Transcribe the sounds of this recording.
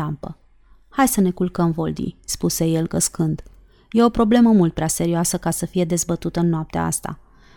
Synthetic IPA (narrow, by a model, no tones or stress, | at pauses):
ampə | hajsəne̞kulkəmvo̞ld̪ḭspuse̞je̞lɡəskɨnd̪ | je̞o̞pɾo̞ble̞məmult̪̚pɾease̞ɾioasəkasəfije̞d̪e̞zbət̪ut̪əɨnːoap̚t̪ea̰a̰st̪a̰